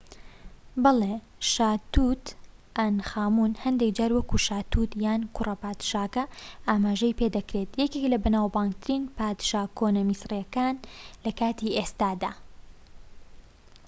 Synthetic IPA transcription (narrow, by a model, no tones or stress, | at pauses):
bɐle | ʃaːt̪ut̪ | ʔɐnxaːmunhɐnd̪ekd͡ʒaːɾwɐkuʃaːt̪ut̪jaːnkʰʊrɐpaːd̪ʃaːkɐʔaːmaːʒɐjped̪ɐkɾet̪jɛkeklɐbɐnaːwbaːŋɡ̚t̪ɨɾiːnpaːt̪ʃaːkʰoːnɐmisrijɛkaːnlɐkaːt̪iʔest̪aːd̪aː